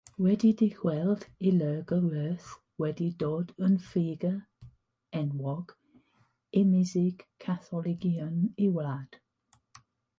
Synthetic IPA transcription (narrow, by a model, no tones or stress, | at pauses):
wɛdidihwɛlˠd̥iləːɡəwəːθ | wɛdidoːdənfiːɡə | ɛnwɔɡ̥ | ɪmɪzɪɡ̥kʰːaθɔlˠɪɡiəniwlad̥